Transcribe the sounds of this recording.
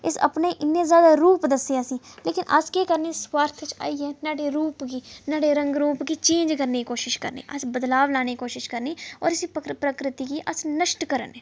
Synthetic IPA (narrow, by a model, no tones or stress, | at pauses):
ɪsə̰pneːʔɪnːẽːzjaːd̪aːɾuːpd̪əseːaːsĩːleːkɪnʔə̰skeːkəɾneːsʋaːɾt̪ʰt͡ʃa̰ːiːɦɛːnaːɖeːɾuːpɡiːnaːɖeːɾə̃ŋɡɾuːpɡiːt͡ʃẽːnd͡ʒkəɾneːkiːkoːʃɪʃkəɾnḭːʔəsbəd̪laːʋlaːneːikoːʃɪʃkəɾniːɔ̰ːɾɪsiːpkpɾəkɾɪt̪iːkiːʔəsnəʃʈkəɾə̰nɛː